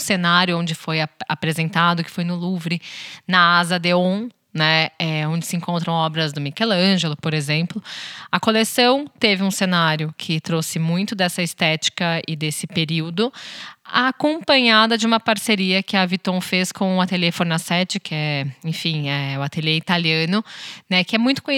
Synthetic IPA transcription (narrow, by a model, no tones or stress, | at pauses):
senaɾjʊõd͡ʒɪfojaapɾezẽnt̪ad̪ʊkɪ̥fojnʊluvɾɪnɐazɐd̪eõ | nɛɛõd͡ʒɪsɪẽŋkõnt̪ɾɐ̃w̃ɔbɾɐzd̪ʊmikelɐ̃ʒelʊpoɾezẽmplʊɐkolesɐ̃w̃t̪evɪũsenaɾjʊkʰɪt̪ɾosɪmũj̃t̪ʊd̪ɛsɐɪst̪ɛt͡ʃi̥kɐɪd̪esɪpeɾiwd̪ʊa̰ːkõpɐ̃ɲad̪ɐd͡ʒɪũmɐpaɾseɾiɐkɪɐvit̪õw̃feskõw̃ʊat̪elefoɾnasɛt͡ʃɪkɪɛẽfĩɛʊat̪eleit̪aliɐ̃nʊnɛkɪɛmũj̃t̪ʊ̥kõj